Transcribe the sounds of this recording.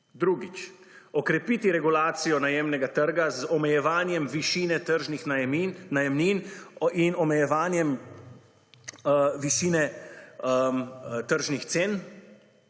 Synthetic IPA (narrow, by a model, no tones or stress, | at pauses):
d̪ɾuːɡit͡ʃ | ɔkɾɛpiːt̪iɾɛɡulaːt̪sijɔnajeːmnɛɡat̪əɾɡazɔmɛjɛʋaːnjɛmʋiʃiːnɛt̪əɾʒnixnajɛmnininɔmɛjɛʋaːnjɛm | ʋiʃinɛ | mt̪əɾʒnixt̪seːn